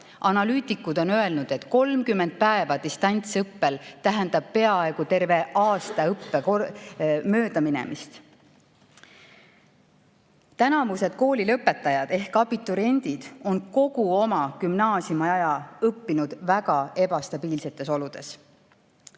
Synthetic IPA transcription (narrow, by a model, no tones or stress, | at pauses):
ʔɑnɑlyːt̪ˑikːˑud̪̥o̞nøe̞lnud̪̥e̞t̪ːˑko̞lmkymːe̞nd̪̥̚pæevɑd̪ist̪ɑnʲt̪sɤpːelt̪æɦend̪̥ɑb̥̚pe̞ɑe̞ɡ̥ut̪e̞rve̞ʔɑːst̪ɑɤpːekomøːd̪̥ɑminɛ̰mʔist̪ | t̪ænɑvuse̞d̪̥ko̞ːlilɤpːˑe̞t̪ːˑɑjɑd̪̥e̞hkːɑbit̪ːˑuɾe̞nʲd̪̥id̪̥o̞nko̞ɡ̥uo̞mɑkymnɑːsiumɑjɑjɑɤpːinud̪̥væɡ̥ɑe̞bɑst̪ɑb̥iːlse̞t̪ːˑe̞so̞lud̪̥e̞s